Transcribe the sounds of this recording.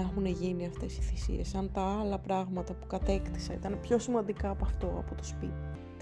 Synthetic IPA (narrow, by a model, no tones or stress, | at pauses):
ɐxune̞ʝiniɐft̪e̞si̥θisḭe̞sɐnt̪ɐɐlɐpɾɐɣmɐt̪ɐpu̥kɐt̪e̞kt̪isɐḭt̪ɐnpço̞simɐnd̪ikɐːpɐft̪o̞ɐ̰po̞t̪o̞spit̪i̥